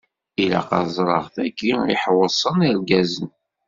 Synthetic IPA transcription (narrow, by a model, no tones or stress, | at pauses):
ilæ̰qɑzˤɾˤə̰ʁθækːiḭħwəsˤəniɾɡæzən